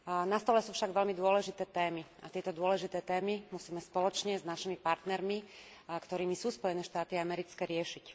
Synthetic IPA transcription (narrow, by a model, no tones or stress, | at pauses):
nast̪ɔlɛsuːfʃaɡʋɛlmid̪ʊɔlɛʒit̪ɛːt̪ɛːmiat̪ɪɛt̪ɔd̪ʊɔlɛʒit̪ɛːt̪ɛːmimusiːmɛspɔlɔt͡ʃɲɛznaʃimipaɾt̪nɛɾmi | kt̪ɔɾiːmisuːspɔjɛnɛːʃt̪aːt̪iaamɛɾit͡skɛːɾɪɛʃic